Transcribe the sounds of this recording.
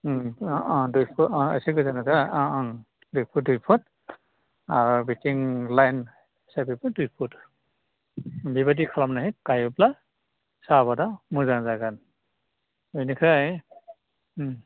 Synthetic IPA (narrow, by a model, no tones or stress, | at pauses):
dujpʰua̰siɡɯzanazaa | dujpʰut̚dujpʰut | aɹbitiŋlajn | sabipɔdujpʰut | bibadikʰalamnaɦikajɔpla | sabadamuzaŋzaɡan | enikʰa